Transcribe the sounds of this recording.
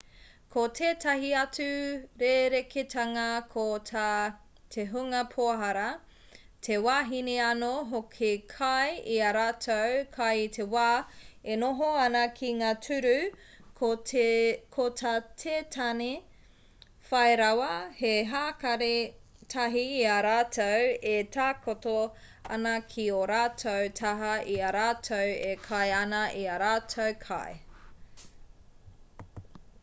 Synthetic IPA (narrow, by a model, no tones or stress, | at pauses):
kʰotʰeːtɐɦiɐt͡sʉɾeːɾekʰetʰɐŋɐkʰotʰa | tʰeɦuŋɐpʰoɐɦɐɾɐ | tʰewaːɦineɐnoɦokʰekʰɐjiɐɾaːtʰowkʰɐjtʰewaːenoɦoɐnɐkʰiŋaːtʰʉɾʉ | o | kʰotʰatʰeːtʰɐne | fɐeɾɐwɐheɦaːkɐɾe | tʰɐɦiːɐɾaːtʰowetʰaːkoto | ɐ̰nɐkʰioɾaːtʰowtʰɐɦɐʔiɐɾaːtʰowekʰɐjɐnɐʔiɐɾaːtʰowkʰa̰j